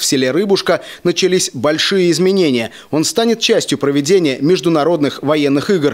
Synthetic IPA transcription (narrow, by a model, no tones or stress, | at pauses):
fsʲɪlʲeɾɨbʊʂkənət͡ɕɪlʲisʲbɐlʲʂɨjəɪzmʲɪnʲenʲɪjə | o̞n̪st̪anʲɪt̪̚t͡ɕːæsʲtʲjʊpɾəvʲɪdʲenʲɪjəmʲɪʐd̪ʊnɐɾo̞d̪nɨxvɐjenːɨxɨɡr